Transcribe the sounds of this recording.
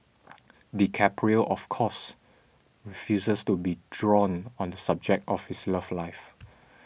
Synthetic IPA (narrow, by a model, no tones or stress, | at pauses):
dikʰɛpʰɹiəʔɔfkʰɔs | ɹifjusəstubidɹɔ̃nɔ̃ndəsab̚d͡ʒɛk̚tɔfhisləflaɪf